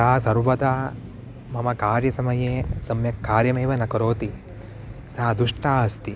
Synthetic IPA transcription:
aːsɐɾʋɐd̪aː | mɐmɐkaːɾjɐsɐmɐjeːsɐmjɐkːaːɾjɐmeːʋɐnɐkɐɾoːt̪i | saːd̪uʂʈaːɐst̪i

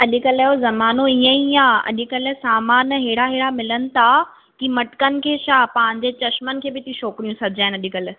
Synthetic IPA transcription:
ɐʄɪkəlɛɦozɐmaːnoiə̃ijãɐ̰ʄɪkəlsaːmaːnɦeːɽaɦeːɽamɪlənɪ̆t̪ʰa | kimɐʈkənɪ̆kʰeːʃapɐ̃ɦɪ̃ɲ̆d͡ʑet͡ɕɐʃmənɪ̆kʰeːbɪt̪ĩʃɔːkɾijũsɐɪd͡ʑaːɪnɐʄɪkəl

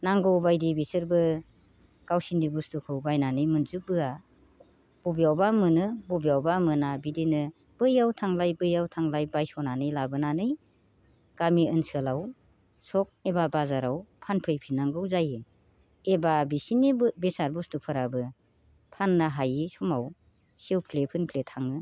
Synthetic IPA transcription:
naŋɡɯwbajdibisɯɾbɯ | ɡ̥awsindibustukʰɯwbajnanɯjmɯnzubɯa | b̥ɔbijawbamɯnɯbɔbijawbamɯnabidinɯ | b̥ɯjawtʰaŋlajbɯjawtʰaŋlajbajsɔnanɯjlabɯnanɯj | ɡ̥amiɯnsɯlaw | sɔk̚ebabazaɾawpʰanpʰɯjpʰinaŋɡɯwzajɯ | ebabisinibbesaɾbustupʰɯɾabɯ | pʰanːaɦajisɔmaw | sewpʰlepʰɯnpʰletʰaŋɯ

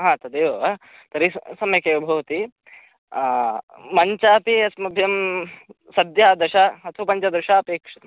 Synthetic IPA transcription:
ɦãːt̪ɐd̪eːɐʋɐ | t̪ɐɾisɐmjɐkeːʋɐbʱɐʋɐt̪i | mɐɲt͡ʃaːpiɐsmɐbʱjɐm | sɐd̪jaːd̪ɐʃaɐt̪ʰɐɐpɐɲt͡ʃɐd̪ɐʃaːpeːkʂɐt̪ɐm

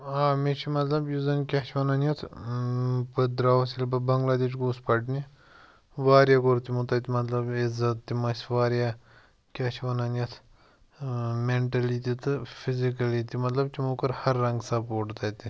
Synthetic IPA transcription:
aːmit͡ʃʰimɐt̪lɐbjuzɐnkʲaːʃʋɐnanʲjɐt̪ʰ | pɨd̪ɾaːwsilbɐbɐŋɡlaːd̪eːt͡ʃɡuːspɐʈni | ʋaːɾjakoɾt̪imut̪ɐt̪imɐt̪lɐbɪzɐt̪ːimɐsʲʋaːɾjaː | kʲaːʃʰʋɐnɐnjɐt̪ʰ | meɳʈɐlit̪it̪ɨfʰizikɐlit̪imɐt̪lɐbt͡ʃimuːkɐɾhɐɾːɐŋɡsɐpoːʈt̪ɐt̪i

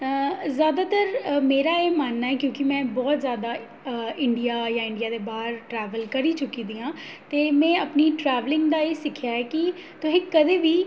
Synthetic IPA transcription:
zjaːd̪aːt̪əɾmeːɾaːeːmaːnːaːɛːkjõːkimɛ̃ːbɔːt̪zjaːd̪a | ɪ̃ɳɖijaːjãːɪ̃ɳɖijaːd̪eːbaːɦəɾʈɾɛːʋəlkəɾiːt͡ʃʊkiːd̪iːãː | t̪eːmɛ̃ːəpniʈɾɛːʋlɪ̃ŋɡd̪aːeːsɪkʰːjaːɛːkit̪ʊsẽːkəd̪eːʋiː

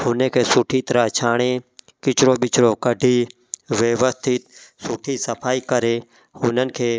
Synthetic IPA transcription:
ɦʊnekʰeːsʊʈʰit̪əɾət͡ʃʰaːɽ̃e | kɪt͡ʃɾoːɓɪt͡ʃɾokəɖʱiː | ʋjeʋəst̪ʰɪt̪sʊʈʰisəpʰaːikəɾeː | ʊnənɪ̆kʰeː

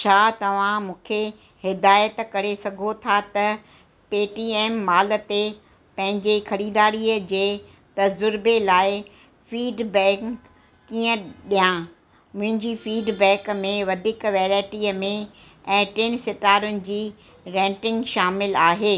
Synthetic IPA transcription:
t͡ɕʰaːt̪ɐʋ̤ãmũːkʰe | hɪd̪aːjət̪kɐɾesɐɡʱot̪ʰat̪ɐ | peːʈiːeːmːaːlə̆t̪e | pɐ̃ɦɪ̃ɲd͡ʑexɐɾiːd̪aːɾiːəd͡ʑeː | t̪ɐd͡ʑʊɾbelaːɪ | fiːɖbɛ̃ːkkː | iːə̃ɗijã | mʊ̃ɦɪ̃ɲd͡ʑiːfiːɖbɛ̃ːkmẽʋɐd̪ʱɪkʋɛːɾaːɪʈiːəmẽ | ɛ̃ːʈɪnsɪt̪aːɾʊnɪ̆d͡ʑiː | ɾɛ̃ːʈɪ̃ŋɡʃaːmɪlaːɦeː

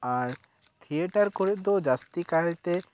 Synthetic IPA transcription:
aɾ | t̪ʰieʈaɾkɔɾɛʔ̚ˀd̪ɔd͡ʒast̪ikaɛt̪ɛ

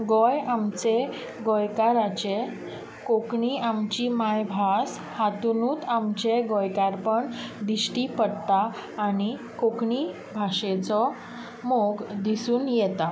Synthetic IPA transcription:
ɡɔjamt͡se | ɡɔjkaɾat͡ɕe | kokɳiamt͡ɕimajbʱas | hat̪unuːt̪amt͡ɕeɡɔjkaɾpəɳd̪iɕʈiːpəɽt̪aː | ɽi | kokɳiː | bʱaʂet͡sɔ | moɡd̪isuːnjɛt̪a

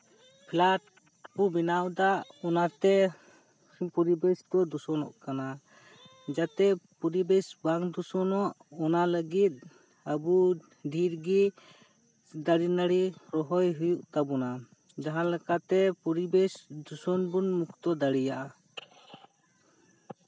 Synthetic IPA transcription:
pʰlaʈ̚ | pubinawd̪aʔɔnat̪ɛ | pɔɾibɛsd̪ɔd̪usɔnɔ̰ʔkana | d͡ʒat̪ɛpɔɾibɛsbaŋd̪usɔnɔʔ | ɔnaləɡit̪̚ | abu | ɖʱiɾɡi | d̪aɽinaɽiɾɔɦɔjɦujuʔt̪abɔna | d͡ʒaɦãlɛkat̪ɛpɔɾibɛsd̪usɔnbunmukt̪ɔd̪aɽijaʔa

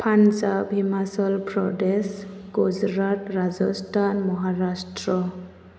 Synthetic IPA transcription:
pʰansabʱimasɔlpɾɔdesɡ̥ud͡ʒɾatɾad͡ʒɔstʰanmɔɦaɾastɹɔ

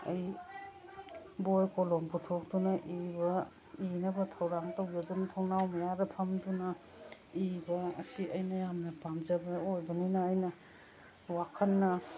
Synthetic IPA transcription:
ɐ̰j | bojkɔlɔmpʰutʰɔk̚dunaʔibɐ | inɐbɐtʰɐwɾaŋtawjoduntʰɔwnawmajaɾɐpʰɐmduna | ibɐ̰ːsiʔɐjnajamnɐpamzɐbɐojbɐninaːjnɐ | wakʰanːɐ

